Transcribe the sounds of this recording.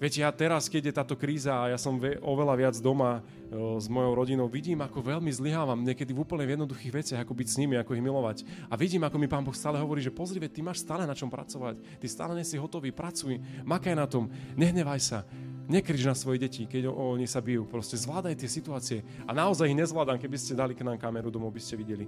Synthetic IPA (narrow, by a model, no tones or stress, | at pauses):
ʋjɛcɛjaːt̪ɛɾaskɛɟjɛt̪aːt̪ɔkɾiːzaːjasɔmʋɛʔɔʋɛlaʋɪad͡zd̪ɔma | zmɔjɔʊɾɔɟinɔʊʋiɟiːmakɔʋɛlmizliɦaːʋamɲɛkɛd̪ivuːpl̩ɲɛvjɛd̪nɔd̪uxiːɣʋɛt͡sɪaɣakɔbicsɲimiakɔiɣmilɔʋacaʋiɟiːmakɔmipaːnbɔxst̪aːlɛɦɔʋɔɾiːʒɛpɔzɾiʋɛt̪imaːʃst̪aːlɛnat͡ʃɔmpɾa̰t͡sɔʋac | t̪ist̪a̰ːlɛɲɛsiɦɔt̪ɔʋiːpɾat͡sujmakajnat̪ɔmɲɛɦɲɛʋajsaɲɛkɾiʒnasʋɔjɛɟɛcikɛɟɔɔɲixsabijupɾɔscɛzʋlaːd̪ajt̪ɪɛsit̪uaːt͡siɛ | anaɔzajiɣɲɛzʋlaːd̪amkɛbiscɛd̪aliknaːmkamɛɾud̪ɔmɔʊbiscɛʋiɟɛli